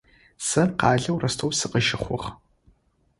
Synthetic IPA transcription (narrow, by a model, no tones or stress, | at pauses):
sɐrqɑːɮɐwrɐstʰoːwsɨqəʒɪχʷʊʁ